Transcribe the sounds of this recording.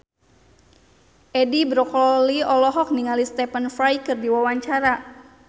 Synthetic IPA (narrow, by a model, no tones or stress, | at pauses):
ʔɛdibɾɔkɔliɔlɔɦɔk̚niŋalist̪ɛpənfɾajkərdiwawaɲt͡ʃaɾa